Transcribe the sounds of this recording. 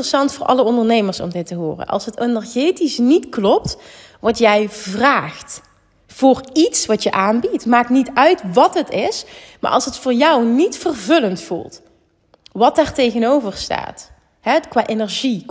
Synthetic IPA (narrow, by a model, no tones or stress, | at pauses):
rəsɑntfʊːɹʔɑ̰ləɔndərnejməɹsɔ̰mdɪtəɦʊ̰ːrə̰nʔɑ̰lˠsɦətənɛɹɣeːtisnitklɔp̚t | ʋɔtjɛjvraːxt | fʊːritsʋɑtjəʔaːnbitmaːk̚nitœɥtʋɑtɦətɪsma̰ːʔɑ̰lˠsɦətfʊːɹjɑwnitfərvɵləntfṵlˠt | ʋɑtɛrtejɣənowvərsta̰ːt | ɦɛkʋaːʔenɛɹʒi